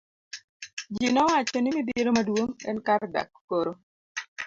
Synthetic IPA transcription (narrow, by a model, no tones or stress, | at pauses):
d͡ʒinɔwat͡ʃɔnimibiɾomadwoŋɛnkarda̰kːoɾo